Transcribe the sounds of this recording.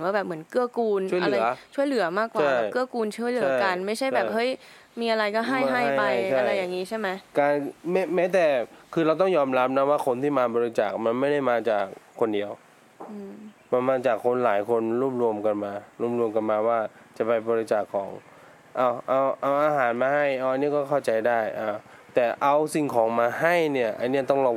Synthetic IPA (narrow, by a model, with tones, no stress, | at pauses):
waː˥˩bɛː˨˩p̚mɯ˩˦nkɯ˥˩ɐkuː˧nʰu˥˩˨a˧lɯɾa˧˩˦t͡ɕʰu˥˩əjlɯ˨˩˦ɐmaː˥˩kwaːa˩˥˩jːkɯ˥˩ɐkuː˧nt͡ɕʰu˥˩jlt͡ɕɯ˩a˦˥˦ka˧nma˥˩jʰa˥˩jbɛː˨˩p̚hɤ˦˥˩j | miː˧ʔa˧ɾa˧jkɔː˥˩ɦa˥˩ja˥˩a˥˩pa˧jt͡ɕʰa˧˥ɾa˧jːaː˨˩ŋːiː˦˥t͡ɕʰa˥˩jma˦˥jkaː˧nmɛ˦˥mɛː˦˥t̪ɛː˨˩kʰɯː˧ɾa˧wt̪ɔ˥˩ŋjɔː˧mɾa˦˥p̚na˦˥waː˥˩kʰo˧nt̪ʰiː˥˩maː˧bɔː˧ɾi˧t͡ɕaː˨˩k̚ma˧nma˥˩jda˥˩jmaː˧t͡ɕaː˨˩k̚ʰːo˧ndi˧əw | ma˧nmaː˧t͡ɕaː˨˩kʰːo˧nlaː˩˦jkʰo˧nɾu˥˩p̚ɾu˧əmka˧nmaː˧ɾuː˥˩p̚ɾu˧əmka˧nmaː˧waː˥˩ | t͡ɕa˨˩pa˧jbɔː˧ɾi˧t͡ɕaː˨˩kʰːɔ̰ː˩˦ŋ | ʔa˧˩wʔa˧wʔa˧wʔaː˧ɦaː˩˦nmaː˧ha˥˩jʔa˧˩ʔa˧nːi˦˥˩kɔː˥˩kʰa˥˩wt͡ɕa˧jdaː˥˩jʔaː˧˩ | t̪ɛː˨˩ʔa˧wsi˨˩ŋkʰɔː˩˦ŋmaː˧ha˥˩jni˥˩ɐʔa˧nːi˦˥ɐt̪ɔ˥˩ŋlɔ˧